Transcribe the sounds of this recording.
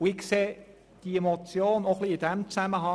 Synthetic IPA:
ʊɪkkseː | d̥iemot͡sjoːnoχliɪd̥ɛmt͡sæməɦɑ

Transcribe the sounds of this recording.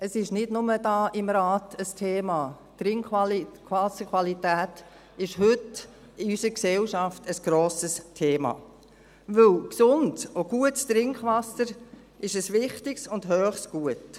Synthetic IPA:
əsɪʃnɪdnʊməd̥ɑːʔɪmɾɑːtəstʰeːmɑː | t̪ɾɪŋkχʋɑlkʋɑsəkʰʋɑlitæːt | ɪʃhʏt | ɪysəɾksɛlʃɑftəsɡ̥ɾoːsəstʰeːmɑ̰ː | ʋɵlksʊntsoɡ̥uətst̪ɾɪŋkχʋɑsəɾ | ɪʃəsʋɪχtɪksʊndɦœːχsɡ̥uət

